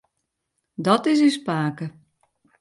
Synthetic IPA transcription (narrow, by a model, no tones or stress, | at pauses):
dɔtɪs̬ispaːkə